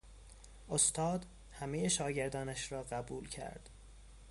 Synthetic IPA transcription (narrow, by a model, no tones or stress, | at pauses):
ʔost̪ʰɒːd̪ | hæmejeʃɒːɟeɾd̪ɒːnæʃɾɒːɢæbuːlcʰæ̰ɾd̪̥